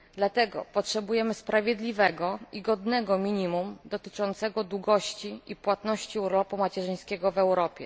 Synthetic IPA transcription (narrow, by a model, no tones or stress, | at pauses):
d̪lat̪ɛɡɔ̰pɔtʂɛbujɛmɘspɾavʲjɛd̪lʲivɛɡɔiɡɔd̪nɛɡɔmʲiɲimumd̪ɔt̪ɘ̥t͡ʂɔnt̪sɛɡɔd̪wuɡɔɕt͡ɕiipwat̪nɔɕt͡ɕiuɾlɔpumat͡ɕɛʐɘj̃skʲɛɡɔvɛwɾɔpʲjɛ̰